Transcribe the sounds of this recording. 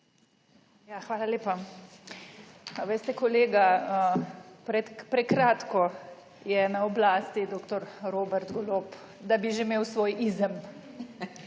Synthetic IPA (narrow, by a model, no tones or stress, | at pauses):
jaːxʋaːlalʲeːpa | ʋest̪ɛkɔleːɡaəpɾɛt̪pɾɛkɾaːt̪kɔ | jɛnaɔblaːst̪id̪oːkt̪ɔɾɾoːbɛɾt̪ɡɔlop | d̪abiʒemeːwsʋoːjʔizəm